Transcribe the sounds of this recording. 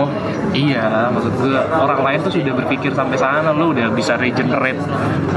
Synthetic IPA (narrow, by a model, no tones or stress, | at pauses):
ijamaksut̪̚ɡuaoɾaŋlaɪnt̪ʊsudabərfikɪrsampesanalʊudahbisaɾed͡ʒənrɛt̪̚